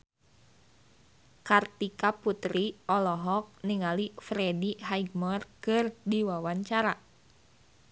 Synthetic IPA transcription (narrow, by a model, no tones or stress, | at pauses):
kart̪ikaput̪ɾiɔlɔɦɔk̚niŋalifɾɛdiɦaiɡmɔrkɨrdiwawaɲt͡ʃaɾa